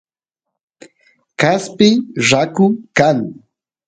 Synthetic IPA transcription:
kaspɪʐakʊkaŋ

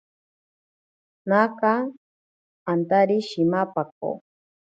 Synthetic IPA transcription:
naka | ant̪aɾiʃimapak̚o̰

